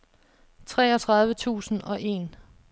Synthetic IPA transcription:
t͡sʰʁɛ̰ːɒt͡sʰʁɑ̈ð̞ˠʋət͡sʰṵːsn̩ɒ̽ʔe̝̰ːn

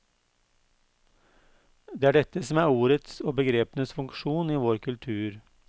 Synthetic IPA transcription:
d̪eːæːɖɛt̪əsɔmæːɾuːɾət̪soːbəɡɾeːpənəsfʉŋkʃuːniːʋoːɾkʰʉlt̪ʰʉːɾ

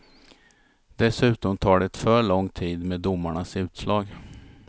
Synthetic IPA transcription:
d̪ɛsʉ̟ːt̪ɔmt̪ʰɑːɖɛt̪fœːɭɔŋːt̪ʰiːd̪meːd̪ːʊmːaɳasʉ̟ːt̪slɑːɡ

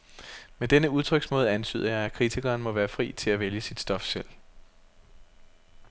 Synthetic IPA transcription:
med̥enəuð̞ˠt͡sʰʁœɡ̥smɔ̽ːð̞̩ˠænt͡sʰy̰ːð̞̰ˠɐjɑ̈ɪækʰʁit͡sʰiɡ̥ɐːnmɒ̽ʋæːɐfʁḭːt͡sʰe̝læʋeljəsid̥sd̥ɒ̽fsel̰

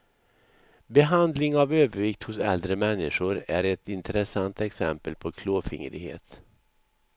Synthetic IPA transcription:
bɛɦand̪lɪŋavøːvəɾvɪkt̪hʊsɛ̰ld̪ɾəmɛnːɪʂʊɾæɾɛt̪ɪnt̪əɾɛsant̪ɛksɛ̰mpəlpʰɔkʰloːfɪ̰ŋɾɪhḛːt̪

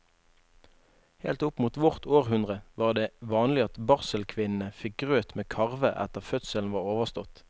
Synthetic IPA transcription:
heːlt̪ʊpmuːt̪ʋʊʁt̪ʰoːʁhʉnd̪ʁəʋɑːʁd̪eːʋɑːnlɪɑt̪bɑʁsəlkʰʋɪnn̩əfɪk̚ɡʁøːt̪meːkʰɑʁʋəʔæ̰t̪əʁfœt̪səln̩ʋɑːʁoːʋəʁst̪ɔt̪

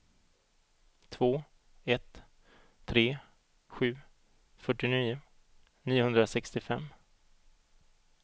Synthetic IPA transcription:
t̪ʰvoː | ɛt̪ | t̪ʰɾeː | ɧʉ̟ː | fœʈːɪniːʊ | niːʊhɵnd̪ɾasɛkst̪ɪfɛmː

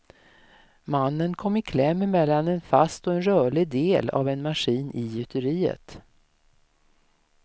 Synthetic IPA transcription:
manːənkʰɔmːɪkʰlɛmːəmɛlːanɛnfast̪ɔɛnɾœːɭɪd̪eːla̰vɛnmaʂiːnɪjʏt̪ʰəɾiːə̰t̪

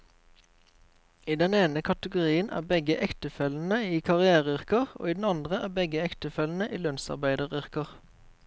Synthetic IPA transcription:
iːd̪ɛneːnəkʰɑt̪əɡʊʁiːənʔæ̰ːbɛɡəʔɛkt̪əfɛln̩əiːkʰɑʁɪæːʁəʏʁkəʁo̰ːiːd̪n̩ɑnd̪ʁəæːbɛɡəɛkt̪əfɛln̩əʔiːlœnsɑ̰ʁbæɪd̪əʁʏʁkəʁ

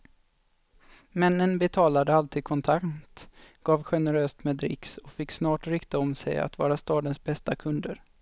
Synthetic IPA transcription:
mɛnːənbɛt̪ʰɑːlad̪əalt̪ʰiːd̪̚kʰɔnt̪ʰakt̪ɡ̥ɑːvɧɛnəɾøːst̪mɛːd̪ɾɪ̰ksɔkfɪkːsnɑːʈɾɪkt̪aɔmsɛ̰ja̰t̪vɑ̰ːɾast̪ɑːd̪ənsbɛst̪akʰɵnd̪əɾ

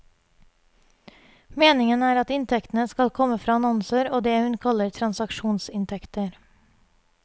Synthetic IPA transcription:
meːnɪŋənæːɾɑt̪ɪnt̪ʰɛkt̪n̩əskɑlkʰɔməfɾɑːɑnɔnsəɾoːd̪eːhʉnkʰɑləɾt̪ʰɾɑnsɑkʃuːnsɪnt̪ʰɛkt̪əɾ

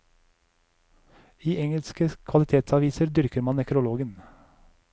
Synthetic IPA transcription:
iːʔɛŋəlskəkʰʋɑlɪt̪ʰeːt̪sɑʋiːsəɾd̪ʏɾkəɾmɑnɛkɾʊloːɡən

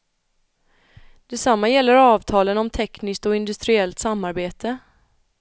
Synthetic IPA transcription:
d̪̥ɛsamːajɛlːəɾɑːvt̪ʰɑːlənɔmt̪ʰɛknɪsk̚t̪ɔɪnd̪ɵst̪ɾɪɛlt̪samːaɾbeːt̪ʰə

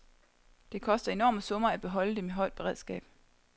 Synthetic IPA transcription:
d̥e̝kʰɒ̽sd̥ɐe̝nɒ̰ːməsɔ̽mɐæd̥̚b̥e̝ɦɒ̽l̰əd̥emeɦɒ̽ɪ̰d̥̚b̥e̝ʁɛðˠsɡ̥ɛ̰ːb̥

